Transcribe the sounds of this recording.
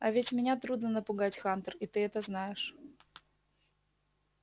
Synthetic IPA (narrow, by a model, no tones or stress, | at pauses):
ɐvʲɪtʲmʲɪnʲat̪ɾud̪nənəpʊɡatʲxant̪ərit̪ɨɛt̪əznajɪʂ